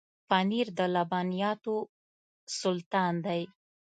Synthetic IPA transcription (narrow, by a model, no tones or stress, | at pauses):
paniɾd̪əlabɑnijɑt̪o | sʊlt̪ɑnd̪aj